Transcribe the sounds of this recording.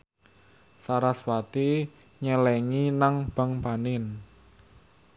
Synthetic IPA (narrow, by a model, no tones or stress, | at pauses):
saɾaswat̪i | ɲəlɛŋinaŋb̥a̤ŋpanɪn